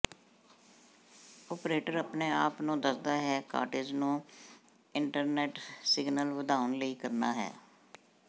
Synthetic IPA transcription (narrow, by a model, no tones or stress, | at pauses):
ɔːpɾeːʈəɾəpneːaːpnũːd̪əsd̪aːɦɛːka̰ːʈɪd͡ʒnũː | ɪɳʈəɾnɛːʈsɪɡnəlʋəd̪aːənləiːkəɾnaːɦɛ̰ː